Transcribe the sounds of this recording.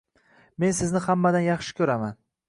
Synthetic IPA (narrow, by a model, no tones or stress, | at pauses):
me̞nsɪznɪhamːad̪anjɑχʃɪ̥kʲʰɵɾaman